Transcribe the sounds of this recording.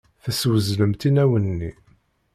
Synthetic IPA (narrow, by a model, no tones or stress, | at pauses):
θæswəzləmt̪inæwənːḭ